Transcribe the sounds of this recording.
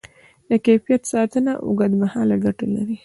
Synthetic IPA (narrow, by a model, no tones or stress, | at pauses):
d̪əkefijat̪sɑt̪ənaʔṵɡad̪mahɑlaɡaʈalaɾi